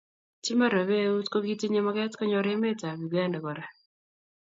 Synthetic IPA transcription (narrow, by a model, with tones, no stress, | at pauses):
t͡ʃi˦ma˦ɾa˨βe˦u˦tko˦ɡi˦ti˦ɲe˦ma˦ɡɛ˦tkɔ˦ɲɔ˨ɾe˦me˦ta˨ɡu˨ɡa˦nda˨ɡɔ˨ɾa˨